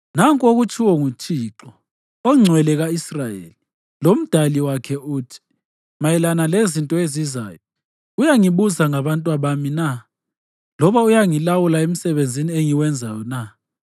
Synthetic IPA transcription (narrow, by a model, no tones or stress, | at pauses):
naŋkʼoɣut͡ʃʰʼiwɔŋut͡ʃʰʼiːǁɔ | ɔŋ͡ǀʱwɛlɛɣaisrajḛli | lom̩d̥ʱaliwakʰɛutʰi̥ | majɛlanalezintʼɔeziza̰ːjɔ | ujaŋiβuzaŋaβantʼwaβamina | lɔβaujaŋilawulaem̩sɛβend͡zʱinieŋiwɛnd͡zʱajɔna